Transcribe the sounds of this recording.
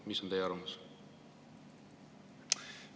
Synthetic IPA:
miso̞nt̪ejːɑɾrvmus

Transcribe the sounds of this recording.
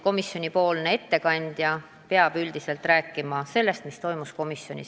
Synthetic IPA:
ko̞misːjo̞nʲipo̞ːlne̞e̞t̪ːe̞kɑnʲd̪̥jɑ | peɑb̥yld̪̥ise̞lt̪ˑræːkːˑimɑse̞lːe̞st̪mist̪o̞jmusko̞misjo̞nʲḭ

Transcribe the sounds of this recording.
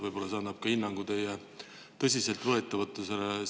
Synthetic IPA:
vɤjbo̞lːɑs̬ɑːnɑb̥̚kɑhinːɑŋɡ̥ud̪̥ejɑ | t̪ɤs̬ʲise̞lt̪vɤet̪ːˑɑvɤt̪ːˑɑsele

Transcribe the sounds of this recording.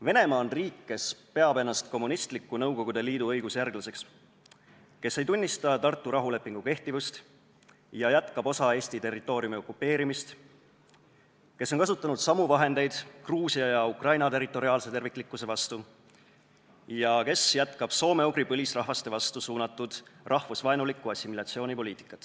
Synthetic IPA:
ve̞ne̞mɑːnriːkːe̞spe̞ɑbe̞nːɑst̪ko̞mːunist̪likːˑunɤwko̞ɡ̥ud̪̥e̞liːd̪uɤjɡ̥usjærɡ̥lɑse̞ks | ke̞sːe̞jt̪unʲːist̪ɑt̪ɑrt̪ːˑuɾɑɦule̞pːˑiŋɡ̥uke̞ht̪ivust̪ | jɑjæt̪kɑbo̞sɑe̞ːsʲt̪it̪e̞rːit̪ːˑo̞ːɾijumio̞kːˑupːe̞ːɾimist̪ | kesːonkɑsut̪ːˑɑnud̪̥sɑmuvɑɦe̞nd̪̥e̞jd̪̥kruːsiɑjɑukrɑjnɑt̪e̞rːit̪ːˑo̞ɾiɑːlse̞t̪e̞rvikːˑlikːˑuse̞vɑst̪u | jɑke̞sjæt̪kɑb̥so̞ːme̞uɡripɤlʲisrɑɦvɑst̪e̞vɑst̪usuːnɑt̪ːˑud̪̥rʔɑhvusvɑenulikːˑuɑsːimilɑt̪sio̞ːnipo̞liːt̪i̥kːˑɑt̪ːˑ

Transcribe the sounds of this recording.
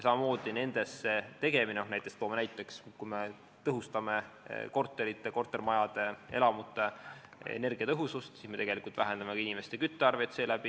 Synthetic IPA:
sɑmɑmo̞ːd̪̥ine̞nd̪̥e̞sːe̞t̪e̞ɡ̥e̞mineohnæjt̪ːˑest̪oːmɑnæjt̪ːˑe̞kskujme | t̪ɤɦust̪ɑme̞̰ | ko̞rt̪ːˑe̞ɾit̪ːˑeko̞rt̪ːˑe̞rmɑjɑd̪e̞e̞̰lɑmut̪ːˑe̞ | ḛne̞rɡ̥iɑt̪ɤɦusust̪siːsme̞t̪e̞ɡ̥e̞likˑult̪vʔæɦe̞nd̪̥ɑmekɑinʲime̞st̪e̞kyt̪ˑːeɑrve̞t̪se̞ːlæb̥i

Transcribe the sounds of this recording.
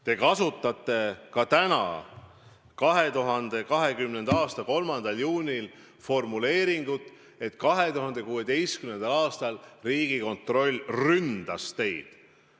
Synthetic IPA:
t̪e̞kɑsut̪ːˑɑt̪ːˑe̞kɑt̪ænɑ̰ | kɑɦe̞t̪uɦɑnd̪̥e̞kɑɦe̞kymne̞nd̪̥ɑɑːst̪ɑko̞lmɑnd̪̥ɑljuːnʲil | fo̞rmule̞ːɾiŋɡ̥ut̪ːˑ | e̞t̪kɑɦe̞t̪uɦɑnd̪̥e̞kuːe̞d̪e̞jskymne̞nd̪̥ɑlɑːst̪ɑlriːɡ̥iko̞nt̪ro̞lʲːrynd̪̥ɑst̪e̞jd̪̥

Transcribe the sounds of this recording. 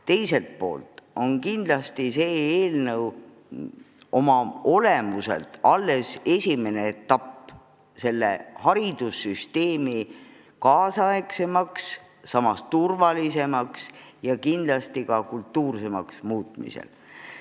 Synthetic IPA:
t̪e̞jse̞lt̪̚po̞̰ːlt̪ˑo̞nkind̪lɑst̪ise̞ːeːlnəw | o̞mɑo̞le̞muse̞̰lt̪ːɑlːe̞se̞sʲime̞net̪ːɑpː | se̞lːe̞̰hɑɾid̪̥usːyst̪e̞ːmi | kɑːsɑekse̞mɑksː | ɑmɑst̪urvɑlise̞mɑksjɑkind̪lɑst̪ikɑkult̪ːuːrse̞mɑksmuːt̪mḭsḛl

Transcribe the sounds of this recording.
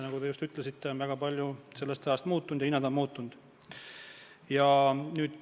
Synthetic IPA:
nɑɡ̥ud̪eust̪yt̪lesit̪ːe̞onvæɡ̥ɑpɑlʲjuse̞lːe̞st̪ɑjɑst̪muːt̪ːˑund̥̪jɑinɑd̪ɑmmuːt̪ːund̪̥ | jɑnyːd̪̥

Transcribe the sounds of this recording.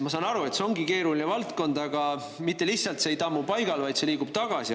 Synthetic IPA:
mɑsɑːnɑɾue̞t̪seo̞ŋɡike̞ːɾulinevɑlt̪ko̞nd̪̥ɑɡ̥ɑ | mit̪ˑːe̞lihtsɑlt̪seejt̪ɑmːupɑjɡɑlvɑjt̪se̞liːɡub̥̚t̪ɑɡ̥ɑsi

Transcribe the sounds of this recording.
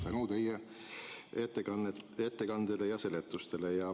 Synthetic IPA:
t̪ænut̪e̞je | et̪ːeɑnet̪ːe̞kɑnd̪̥elejɑse̞let̪ːˑust̪e̞le̞jɑ

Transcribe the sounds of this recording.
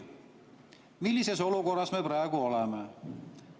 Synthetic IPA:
milːise̞so̞luko̞rːɑsme̞pɾæeɡ̥uo̞leme

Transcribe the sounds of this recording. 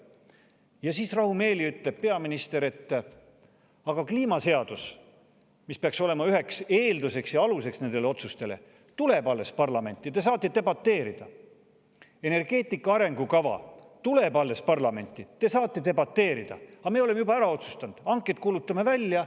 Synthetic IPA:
jɑsiːsrɑhume̞ːliyt̪le̞b̥̚pe̞ɑminist̪e̞ɾe̞t̪ː | ɑɡ̥ɑkliːmɑse̞ɑd̪̥us | mispeɑkso̞le̞mɑyɦe̞kse̞ːld̪use̞ksjɑɑluse̞ksne̞nd̪eleo̞t̪sust̪e̞le̞̰ | t̪ule̞pɑlve̞spɑrlɑme̞nʲt̪ːˑit̪e̞sɑːt̪ːˑet̪e̞bɑt̪ːe̞ːɾid̪̥ɑ | e̞ne̞rɡ̥e̞ːt̪ːˑikːɑɑɾe̞ŋɡ̥ukɑvɑ̰ | t̪ule̞bɑlːe̞spɑrlɑme̞nʲt̪ːˑit̪e̞sɑːt̪ːˑe̞t̪e̞bɑt̪ːe̞ːɾid̪̥ɑ̰ɑmeole̞me̞jubɑæɾɑo̞t̪su̥st̪ɑnd̪̥ɑŋkˑːet̪̚kuːlut̪ˑːɑme̞vælʲːjɑ

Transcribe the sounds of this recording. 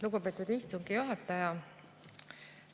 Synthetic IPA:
luɡ̥upe̞ːt̪ːˑud̪̥ist̪uŋɡijoɦɑt̪ːˑɑjɑ

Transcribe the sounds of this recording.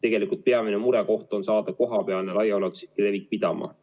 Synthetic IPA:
t̪e̞ɡe̞likult̪̚pe̞ɑminemuɾɛko̞ht̪o̞nsɑːd̪̥ɑko̞ɦɑpeɑlnelɑjɑolet̪usi̥le̞vik̚pid̪̥ɑmɑ̰

